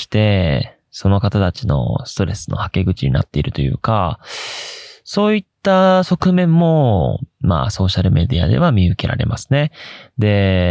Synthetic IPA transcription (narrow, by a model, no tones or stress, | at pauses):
i̥t̪e̞ | so̞no̞kat̪at̪at͡ɕino̞̰sɨ̥t̪o̞ɾe̞sɨno̞̰hake̞ɡɯ̟t͡ɕiɲ̟ina̰t̪ːe̞iɾɯ̟t̪o̞jɯ̟ːka | so̞ːit̪ːaso̞kɯ̟mẽ̞mːo̞ma̰so̞ːɕaɾɯ̟me̞d̪ʲia̰d̪e̞̰βamʲiɯ̟ke̞ɾʔa̰ɾe̞mʔasɨ̥ne̞d̪e̞